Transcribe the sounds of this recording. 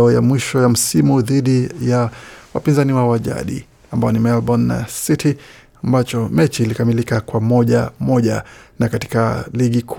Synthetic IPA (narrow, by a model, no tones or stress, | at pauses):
ɔjamwiʃɔjam̩simuðiɗijawa̰pinzaniwawaʄa̰ɗḭ | ambajɔnimɛlɓɔnːa̰sitʰi | ambat͡ʃɔmɛt͡ʃiːlikamilikakwamɔʄamɔʄa̰nakati̥kaliɠikʰ